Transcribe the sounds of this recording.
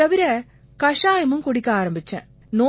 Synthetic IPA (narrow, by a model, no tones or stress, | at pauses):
ɐʋɪɾɐ | kɐʂaːjɐmɯmkɔɽɪkːɐaːɾɐmbɪt͡ʃːɛ̰̃ | noː